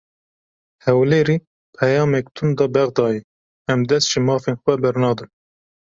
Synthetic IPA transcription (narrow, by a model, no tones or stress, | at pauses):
hɛwleːɾiː | pʰɛjɑːmɛkt̪ʰund̪ɑːbɛɣd̪ɑːji | ɛmd̪ɛst̪ʒ̥ɪmɑːfeːnxwɛbɛɾnɑːd̪ɨn